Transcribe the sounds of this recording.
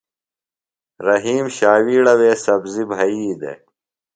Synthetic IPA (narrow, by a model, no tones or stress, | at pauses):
ɾɐɦiːmɕaːwiːɽɐweːsɐbzibʱɐiːd̪ḛ